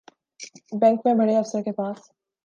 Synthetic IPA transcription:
bɛ̃ŋkmẽbʱɐɽeɐfsəɾkepaːs

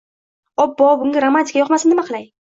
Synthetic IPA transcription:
ɒbːɒbʊŋɡʲaɾomːant̪ʲi̥kʰʲajɒqmasɪnɪmaqʰɨlaj

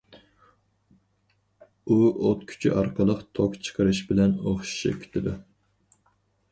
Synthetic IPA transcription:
uot̪kʲʰy̥t͡ʃʰy̰ʔɑɾqəlˠəqt̪ʰokt͡ʃʰə̥qʰəɾɨʃbɪlɛnoχʃi̥ʃḭkʲʰi̥t̪ʰɪd̪u

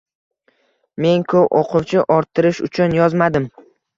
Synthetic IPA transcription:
me̞ŋkʰowʔoqʰʊwt͡ʃʰɪʔɒɾt̪ʰːɪɾɪʃʊ̰t͡ʃʰʊnjɒzmad̪ɪm

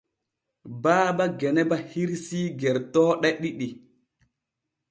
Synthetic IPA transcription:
baːbaɡɛnɛbahiɾsiːɡɛɾtɔːɗɛɗiɗi

